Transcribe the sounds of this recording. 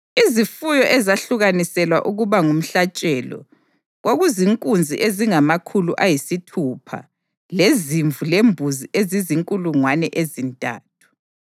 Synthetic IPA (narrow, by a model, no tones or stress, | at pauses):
izifujɔʔɛzaɬuɣanisɛlwa̰ʔuɣuβaŋum̩ɬat͡ʃʼɛlɔ̰ | ɣoɣuziŋkʼund͡zʱḭʔeziŋamakʰuluʔajisitʰuːpʰa̰ | leziɱvulembʱuziʔeziziŋkʼuluŋwanɛʔezintʼa̰ːtʰu̥